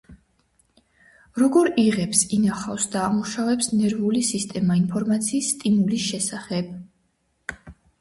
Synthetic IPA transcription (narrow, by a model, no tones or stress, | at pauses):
ɾɔɡɔɾiʁɛpsinaχafsd̪aːmuʃavɛpsnɛɾvulisist̪ʼɛmainpʰɔɾmat̪sʰiːsːt̪ʼimulisʃɛsaχɛb̥